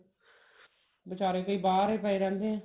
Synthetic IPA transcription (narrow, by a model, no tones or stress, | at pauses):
bət͡ʃaːɾeːkəiːbaːɾeːpɛːeːɾɛ̃ːnd̪eːɛ̃ː